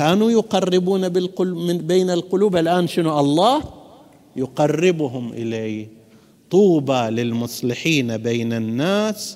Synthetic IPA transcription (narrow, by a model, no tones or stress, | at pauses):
kaːnujʊqɑrːɪbuːnabɪlqʊlbeːnalqʊluːbalʔaːnʃɪnuʔɑlˤːɑːh | jʊqɑrːɪbʊɦʊmʔɪ̰leːj | t̪ˤuːbalɪlmʊsˤlɪħiːnbeːnanːaːs